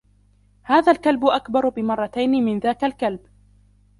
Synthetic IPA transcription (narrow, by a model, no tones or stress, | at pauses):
haːðaːlkalbʊʔakbɑɾˤbɪmɑrˤːɑt̪ajnɪmɪnðaːkalkalb